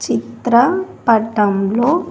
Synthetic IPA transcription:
t͡ʃit̪ɾɐpɐʈːɐmlo̞ː

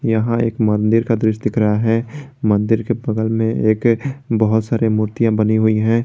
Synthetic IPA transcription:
jɐɦãḛːkmɐ̃nd̪ɪɾkad̪ɾɪʃd̪ɪkʰɾəɦaɦɛmɐ̃nd̪ɪɾkebɐɡəlmẽeːkbɐɦʊt̪saːɾemuɾt̪ijãbɐniɦʊiɦɛ̃ː

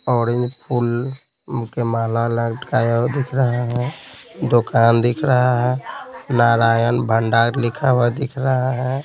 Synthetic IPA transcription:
ɔːɾẽnd͡ʒpʰul | kemalaləɡʈkajəd̪ikʰɾəɦaɦɛd̪okand̪ikʰɾəɦaɦɛnaɾajənbʱəɳɖaːɾlikʰawəɾd̪ikʰɾəɦaɦɛ

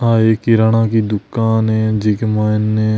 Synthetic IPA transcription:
aːeːkiɾaɳ̃ãːkid̪ʊkːaːnɦɛ̃d͡ʒɪkmaːnːẽ

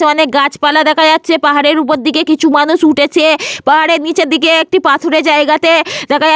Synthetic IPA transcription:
eɔnekɡat͡ɕpalad̪ɛkʰaatːʃʰepaɦaɾeɾupoɾd̪ikekit͡ɕʰumanuʃuʈʰet͡ɕʰiepaɦaɾeɾnit͡ɕed̪ikeek̚ʈipat̪ʰoɾed͡ʑaeɡat̪ed̪ɛkʰaj

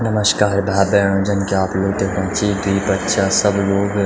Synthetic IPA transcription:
nɐməʃkaːɾbʱaːbɛːɽ̃õːd͡ʒɐnkeaːploːɡt̪eɦɾãːt͡ʃid̪ʱuipɐtːʃasɐbloːɡ

